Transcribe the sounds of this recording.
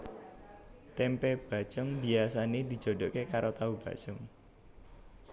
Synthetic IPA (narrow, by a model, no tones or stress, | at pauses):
t̪ɛmpɛb̥a̤̥t͡ʃʊŋbiasaned̪̥i̤̥d͡ʒ̥o̤dɔ̤ʔkekaɾot̪aub̥ä̤̰̥t͡ʃʊŋ